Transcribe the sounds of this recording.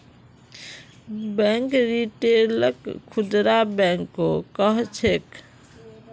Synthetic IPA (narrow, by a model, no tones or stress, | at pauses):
bɛ̃ŋkɾiʈeɾləkʰːud̪ɾabɛ̃ŋkːokəɦt͡ʃʰek